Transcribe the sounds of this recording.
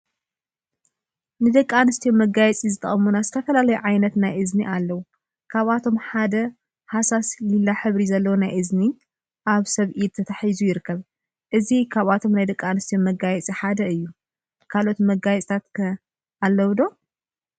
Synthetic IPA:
nɨd̪ɐkʼːanɨst̪ʰijonmɐɡajɛt͡sʼizɨt̪ʼɐχʼɐmunazɨt̪ʰɐfɐlalɐjuʕajnɐt̪najʔɨzniʔalːɐwu | kʰaβat̪ʰo̞mħad̪ɐ | hasaslɨlːaħɨβɾizɐlːɐwonajʔɨzni | ʔaβsɐβʔid̪̚t̪ʰːɐt̪ʰaħizujɪɾɨkʰːɐβ | ʔɨzikʰaβat̪ʰo̞mnajd̪ɐkʼanɨst̪ʰijonmɐɡajɛt͡sʼiħad̪ɐɨjːu | kʰalo̞t̪mɐɡajɛt͡sʼt̪ʰat̪kʰɐ | alːɐwd̪o̞

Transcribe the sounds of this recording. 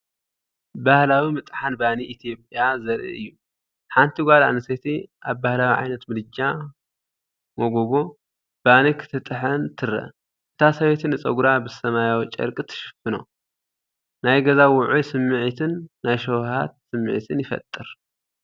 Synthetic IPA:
bahlawimɨt̪ʼħanbaniʔit̪ʰijo̞pʼjazɐɾʔḭʔɨjːu | ħant̪ʰiɡʷala̰nɨset̪ʰiʔaβbahlawiʕa̰jnɐt̪mɨlɨd͡ʒa | moɡoɡo̞ | b̥anikʰɨ̥t̪ʰɨt̪ʼɨħɐnt̪ʰɨɾɐ̰ | ʔɨt̪ʰasɐwet̪ʰɨnɨt͡sʼɐɡuɾabɨsɐmajawit͡ʃʼɐ̰ɾkʼɨt̪ʰɨ̥ʃɨ̥fɨno̞̰ | najɡɐzawʊʕusɨmːɨʕit̪ʰɨnːajʃowha̰t̪sɨmːɨ̰ʕit̪ʰɨnjɪfɐ̰t̪ʼːɨɾ

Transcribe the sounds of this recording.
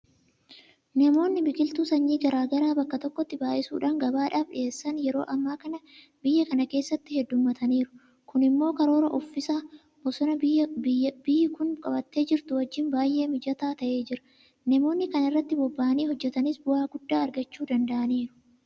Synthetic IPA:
nɐmo̞ːnːɪbɪkʼɪlt̪usɐɲːiːɡɐɾaːɡɐɾaːbɐkːɐt̪ɔkːɔt̪ːɪbaːʔɪsuːᶑaːŋɡɐbaːᶑaːfᶑɪeːsːɐnjɛɾo̞̰ːʔɐmːaːkɐnɐ | bɪjːɐkɐnɐke̞ːsːɐt̪ːɪhɛd̪ːʊmːɐt̪ʰɐniːɾʊ̥ | kʊnɪmːo̞ːkɐɾo̞ːɾɐʔɔfːɪsaː | bɔsɔnɐ | b̥ɪjːɪkʊŋkʼɐbɐt̪ːe̞ːd͡ʒɪɾt̪ʊwɐd͡ʒːɪnbaːjʔe̞ːmɪd͡ʒɐt̪aːt̪ɐʔe̞ːd͡ʒɪɾɐ | nɐmo̞ːnːɪkɐnɪrːɐt̪ːɪbɔbːaːʔniːhɔd͡ʒːɛt̪ɐnɪsbʊhaːɡʊd̪ːaːɐɾɡɐt͡ʃːuːd̪ɐnd̪ɐʔɐniːɾʊ̥

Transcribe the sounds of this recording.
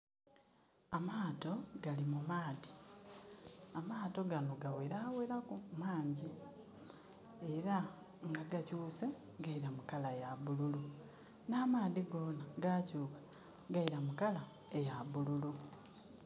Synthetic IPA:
amaːto̞ɡalimumaːdi | amaːto̞ɡanoɡaweɾaweɾakumaːɲɟi | eɾa | ŋɡaɡacuːse̞ | ɡaiɾamukalajaβululu | naːmaːdiɡo̞ːnaɡacuːkḁ | ɡaiɾamukala | ejaβululu

